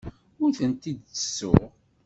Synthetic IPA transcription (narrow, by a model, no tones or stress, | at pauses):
ʊɾθənt̪id̪əsːʊ̰ʁ